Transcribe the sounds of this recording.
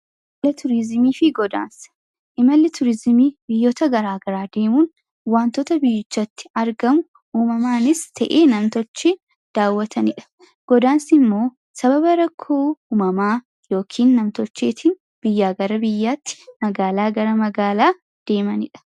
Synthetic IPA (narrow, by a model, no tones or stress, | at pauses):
lɐt̪ʰʊɾɪzɪmiːfɪɡɔd̪a̰ːns | ʔɪmɐlːɪt̪ʊɾɪzɪmiːbɪjːoːt̪ɐɡɐɾaːɡɐɾaːd̪e̞ːmuːn | waːnt̪ɔt̪ɐbɪjːɪt͡ʃːɐt̪ːɪ̥ɐɾɡɐmʊ | uːmɐmaːnɪst̪ʰɐ̰ʔeːnɐmt̪ɔt͡ʃːe | d̪̥aːwːɐt̪ʰɐnɪᶑɐ̥ | ɡ̥ɔd̪aːnsɪmːo̞ː | sɐbɐbɐɾɐkʰːoːuːmɐmaː | jo̞ːkʰiːnːɐmt̪ɔt͡ʃːeːt̪ʰɪn | b̥ɪjːaːɡɐɾɐbɪjːaːt̪ːɪ̥mɐɡaːlaːɡɐɾɐmɐɡaːlaː | d̪̥e̞ːmɐnɪᶑɐ̥